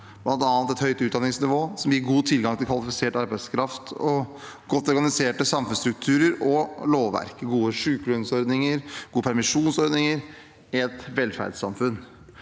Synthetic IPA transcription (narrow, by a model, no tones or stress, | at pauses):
b̥lɑnt̪ɑːɑnt̪ɛt̪hœʏt̪əʉːt̪̚d̪ɑnɪŋsnɪʋoːsɔmjɪːɾɡuːt̪ʰɪlɡɑŋt̪ʰɪlkʋɑlɪfɪseːʈɑɾbæɪskʰɾɑft̪ɔ | ɡ̥ɔt̪ːɔɾɡɑnɪseːʈəsɑmfʉnst̪ɾʉk̚t̪ʰʉːɾəɾɔloːʋʋæ̰ɾkəɡuːəʂʉːklʉnsɔɾd̪nɪŋəɾɡuːəpʰæɾmɪʂuːnsɔɾd̪nɪŋəɾ | ɛt̪ʋɛlːfæ̰ɖsɑ̰mfʉn